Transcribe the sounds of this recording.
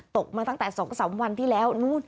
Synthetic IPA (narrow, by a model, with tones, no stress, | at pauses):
t̪o˨˩k͡p̚maː˧˩t̪a˧˥ŋt̪aː˧˩sɔ˨˦˨sa̰˨˦wŋ͡mhwa˧˩nt̪ʰi˧˩lɛ˧˩wnu˧˦